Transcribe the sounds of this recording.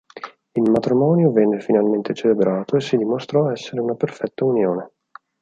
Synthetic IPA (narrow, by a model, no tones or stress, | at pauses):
ilmat̪ɾimɔːnjovɛnːefinalment̪et͡ʃelebɾaːt̪oesːid̪imost̪ɾɔɛsːeɾeunaperfɛt̪ːaunjoːne